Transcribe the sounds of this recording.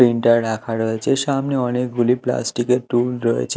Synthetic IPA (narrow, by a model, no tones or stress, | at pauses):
ɾiɳʈəɾɖakʰaɾəɦet͡ʃʰeʃamniənek̚ɡʱulipla̰sʈikeʈulɾəɦḛt͡ʃʰe